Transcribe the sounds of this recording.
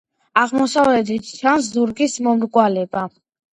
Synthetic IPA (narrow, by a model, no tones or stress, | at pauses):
aʁmɔsavlɛd̪it̪ʰt͡ʃʰans̬zuɾɡismɔmɾɡʼwalɛba